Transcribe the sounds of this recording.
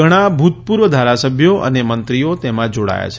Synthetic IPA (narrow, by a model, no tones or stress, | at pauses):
əɽ̃abʱut̪̚puɾʋəd̪ʱaɾasəbʱjoʔə̰nemənt̪ɾijot̪emãd͡ʒoɽa̰ja̰t͡ʃʰe̥